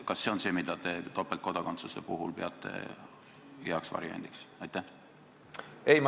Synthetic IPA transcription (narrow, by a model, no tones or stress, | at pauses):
kɑsːe̞onse̞ːmid̪̥ɑt̪e̞t̪o̞pːˑelt̪̚ko̞d̪̥ɑko̞nt̪suse̞̰puɦulpeɑt̪ˑːe̞̰ | eɑksvɑ̰ɾiɑ̰nd̪̥iksɑjt̪ːæh | ejm